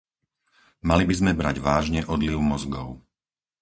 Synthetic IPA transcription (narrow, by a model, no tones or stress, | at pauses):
malibizmɛbɾaɟʋaːʒɲɛʔɔd̪liʊmɔzɡɔʊ